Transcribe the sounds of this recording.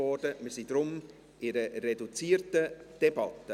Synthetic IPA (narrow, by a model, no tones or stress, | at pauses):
ɔrdəmisidɾʊm | ɪɾəredut͡siːɾtəd̥ebɑtə